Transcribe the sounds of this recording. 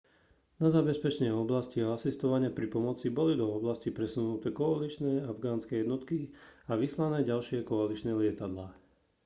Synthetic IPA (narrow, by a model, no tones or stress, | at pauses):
nazabɛspɛt͡ʃɛɲɛɔblasciaasist̪ɔʋaɲɪapɾipɔmɔt͡sibɔlid̪ɔɔblascipɾɛsunut̪ɛːkɔalit͡ʃnɛːavɡaːnskɛjɛd̪nɔt̪kiaʋislanɛːɟalʃɪɛkɔalit͡ʃnɛːlɪɛt̪ad̪laː